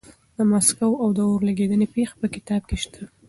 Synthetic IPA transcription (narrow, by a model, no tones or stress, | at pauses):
d̪əmaskawawd̪əoɾlaɡed̪ənepexḁpəkɪt̪ɑb̚keʃt̪ʰa